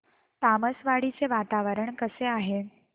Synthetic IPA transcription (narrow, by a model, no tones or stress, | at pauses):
t̪aməsʋaɽit͡seʋat̪aʋəɾəɳkəseaɦe